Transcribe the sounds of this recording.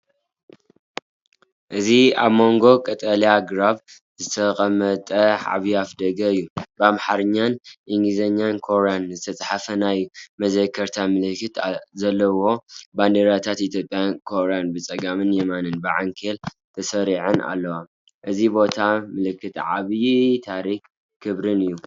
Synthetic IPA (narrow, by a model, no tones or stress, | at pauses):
ʔɨzia̰βmo̞ŋɡo̞kʼɐt̪ʼɐliaɡɾaβ | zɨt̪ʰɐkʼɐmɐt̪ʼɐʕa̰βjiafd̪ɐɡɐɨjːubamħaɾɨɲːanʔiŋɡlizɐɲːankʰo̞ɾeanzɨt̪ʰɐt͡sʼħafɐnajmɐzɐkʰːɐɾt̪ʰamɨlɨkːɨt̪zɐlːɐwo̞band̪eɾat̪ʰat̪it̪ʰjo̞pʼjankʰoɾeanbɨt͡sʼɐɡamɨnjemanɨnbɨʕa̰ŋkʰel | t̪ʰɐsɐɾiʕɨna̰lːɐwa | ʔɨzibo̞t̪ʰamɨlɨkːɨt̪ʕa̰βjit̪ʰaɾikː | kʰːɨβɾɨnɨjːu